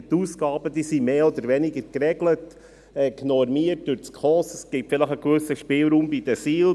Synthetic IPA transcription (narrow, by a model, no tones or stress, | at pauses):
t̪uːskɑːbəd̪iːsimeːɔd̪əɾʋɛnɪɡəɾkɾɛɡlət | ɛknɔɾmiərt̚d̥ʉːɾt͡skʰɔːsəsɡ̥ɪpfɪləχəkvɵsəʃpɪːlɾuːmbid̪əsiːl